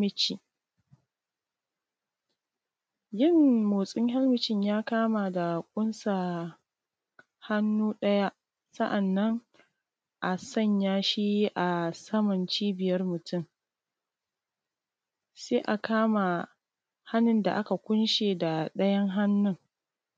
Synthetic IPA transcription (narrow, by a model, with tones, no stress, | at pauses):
mɪ˦t͡ʃi˨ | jɪ˦˨mmoː˨sʼɪ˦ŋha˦lmɪ˦t͡ʃɪ˦ɲjaː˦kaː˦ma˨da˨kʷʼʊ˦nsa˨ | ha˦nːuː˦ɗɐ˦ja˦ʔ | sɐ˦ʔa˨nːɐ˦ŋ | ʔa˨sɐ˦˨ɲjaː˦ʃiː˦ʔa˨sɐ˦mɐ˨nt͡ʃiː˦bɪ˨jɐ˦rmʊ˨tʰʊ˦˨m | seː˦ʔa˨kaː˦ma˨ | ha˦nɪ˨nda̰˨ʔa˦ka˨kʷʊ˦nʃeː˨da˨ɗɐ˦jɐ˦ŋɦa˦nːʊ˦ŋ